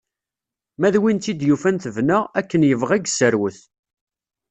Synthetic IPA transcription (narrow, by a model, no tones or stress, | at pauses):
mæðwint̪id̪jufænθəvnəʁækːənjəvʁæɡsəɾwəθ